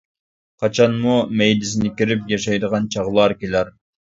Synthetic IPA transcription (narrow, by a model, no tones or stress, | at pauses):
qʰɑt͡ʃʰɑnmumejlɪs̬ɪnɪkʲiɾɪpjɑʃɑjd̪əʁɑnt͡ʃʰɑʁlˠɑɾkʲelæɾ